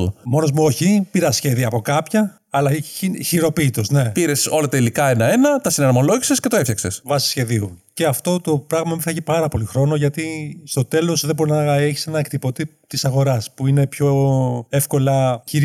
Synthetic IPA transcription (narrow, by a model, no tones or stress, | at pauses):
ṵmo̞no̞zmuo̞çipiɾɐsçe̞ðiɐpo̞kɐpçɐː | lɐiçiɾo̞piːt̪o̞zne̞piɾe̞so̞lɐt̪elikɐenɐe̞nɐt̪ɐsinɐɾmo̞loʝise̞sce̞t̪oefçɐkse̞svɐsi̥sçe̞ðiuce̞ɐft̪o̞t̪o̞pɾɐɣmɐmiθɐʝipɐɾɐpo̞lixɾo̞no̞ʝɐt̪ist̪o̞t̪e̞lo̞sðebo̞ɾinɐe̞çi̥se̞nɐekt̪ipo̞t̪ipt̪isɐɣo̞ɾɐspuine̞pço̞e̞fko̞lɐçiɾ